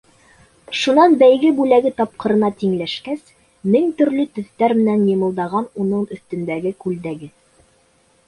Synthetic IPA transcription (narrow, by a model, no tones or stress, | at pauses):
ʃunɑnbæjɡɘbʉlæɡɘt̪ɑp̚qɤ̆ɾɤ̆nɑt̪iŋlæʃkæs | mɘŋt̪ɵ̆ɾlɵt̪ɵ̆θt̪æɾmɘ̆nænjɤ̆mɤ̆lˠd̪ɑʁɑnunɤɴɵ̆θt̪ɵ̆nd̪æɡɘkʉld̪æɡɘ